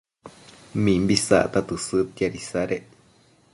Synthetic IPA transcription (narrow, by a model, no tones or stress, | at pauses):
mĩmbisa̰ʔt̪at̪ɨsɨt̪jaɾisaɾe